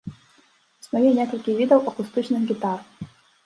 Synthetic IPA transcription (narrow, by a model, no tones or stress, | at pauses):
snɔjʲinʲɛkɔlʲkʲivʲid̪ɐwʔɐkust̪ɨt͡ʃnɨxɡʲit̪ar